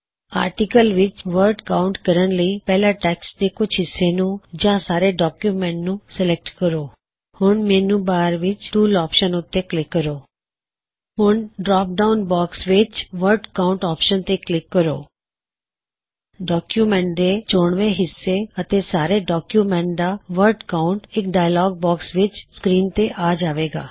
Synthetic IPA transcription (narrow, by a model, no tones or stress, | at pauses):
a̰ːɾʈikəlʋɪt͡ʃʋəɾɖkaːʊɳʈkəɾənləiːpɛːlaːʈɛːksd̪eːkʊt͡ʃʰɦɪsːeːnũːd͡ʒãːsaːɾeːɖɔːkjuːmɛ̃ɳʈnũːsəlɛk̚ʈkəɾoː | hʊɳmẽːnũːbaːɾʋɪt͡ʃʈuːlɔːpʃənʊt̪ːeːklɪkːəɾoː | ɦʊɳɖɾɔːp̚ɖaːʊnbaːksʋɪt͡ʃʋəɾɖəkaːʊɳʈɔːpʃənt̪eːklɪkːəɾo̰ː | ɖɔːkjuːmɛ̃ːɳʈ̚d̪eːt͡ʃoːɳʋẽːɦɪsːeːət̪eːsaːɾeːɖɔːkjuːmɛ̃ːɳʈd̪aːʋəɾɖkaːʊɳʈɪkɖaːjlɔːɡ̚bɔːksʋɪt͡ʃskɾiːnt̪eːʔaːd͡ʒaːʋeːɡa̰ː